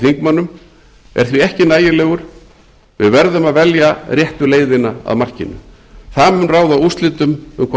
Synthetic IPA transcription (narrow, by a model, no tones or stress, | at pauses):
θiŋkmanːʏm | ɛ̰ɾ̥θviɛhcɪnaːjɪlɛːɣʏɾ̥ | vɪðvɛɾðʏmaðvɛljarjɛht̪ʏleːjðɪnaa̰ðmar̥cɪ̰nːʏ̰ | θamʏnraːwðaust̪lɪt̪ʏmʏmkʰva